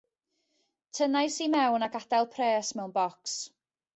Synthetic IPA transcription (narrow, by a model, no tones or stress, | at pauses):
tʰənajsimɛwnaɡad̥ɛlˠpʰreːsmɛwnbɔks